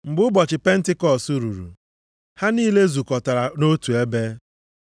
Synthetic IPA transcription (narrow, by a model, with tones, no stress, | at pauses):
m̩˨bʊ˦bɔ˨t͡ʃɪ˨pe˦n̩˦tɪ˦kɔ˦˨su˦ɾu˨ɾṵ˨ | ha˦niː˦le˦zu˨kɔ˨ta˨ɾa˨no˦tu˨e˦be˦